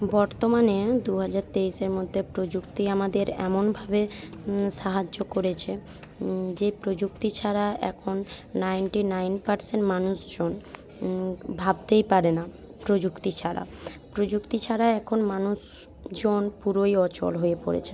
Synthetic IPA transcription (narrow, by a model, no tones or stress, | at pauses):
bɔɾt̪omaned̪uɦad͡ʑaɾt̪eiʃeɾmod̪ʱːepɾod͡ʑuk̚t̪iamad̪eɾɛ̰monbʱabeʃaɦad͡ʑːokoɾet͡ɕʰe | d͡ʑepɾod͡ʑuk̚t̪it͡ɕʰaɾaʔɛ̰kʰonːajnʈinajnpaɾseɳʈmanuʃd͡ʑon | bʱab̚t̪ejpaɾena | pɾod͡ʑukt̪it͡ɕʰaɾa̰pɾod͡ʑukt̪it͡ɕʰaɾaɛkʰonmanuʃ | d͡ʑonpuɾojɔt͡ɕo̰lɦoepoɾḛt͡ɕʰen